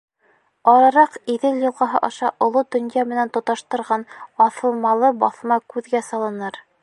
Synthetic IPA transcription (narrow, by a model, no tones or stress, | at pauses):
ɑɾɑɾɑqiðɘljŏlˠʁɑɦɤʔɑʃɑʔŏlˠod̪ɵ̆njɑmɘ̆nænt̪ŏt̪ɑʃt̪ɤ̆ɾʁɑnɑθɤ̆lˠmɑlˠɤbɑθmɑkʉðɡæsɑlˠɤ̆nɤɾ